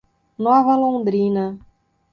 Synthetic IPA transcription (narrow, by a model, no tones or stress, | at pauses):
nɔvɐlõd̪ɾĩnɐ